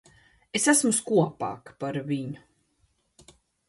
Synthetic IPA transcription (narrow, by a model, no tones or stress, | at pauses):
esæsmuskuɔpa̰ːkpaɾviɲʊ